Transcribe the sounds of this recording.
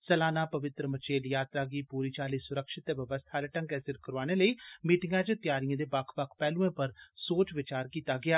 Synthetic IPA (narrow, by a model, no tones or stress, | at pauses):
sɛlaːnaːpəʋɪt̪ɾəmət͡ʃeːljaːt̪ɾaːɡiːpuːɾiːt͡ʃaːliːsʊɾəkʃɪt̪ːeːʋəʋəst̪ʰaːleʈə̃ŋkɛːsɪɾkəɾʋaːneːləiːmiːʈɪŋɡãːt͡ʃt̪ɪjaːɾijãːd̪eːbakʰʋəkʰpɛːlũẽːpəɾsoːt͡ʃʋɪt͡ʃaːɾkiːt̪aːɡɪaː